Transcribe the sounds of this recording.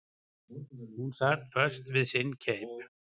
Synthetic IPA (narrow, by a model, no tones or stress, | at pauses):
hunsat̪fœɾ̥st̪vɪðsɪncʰejp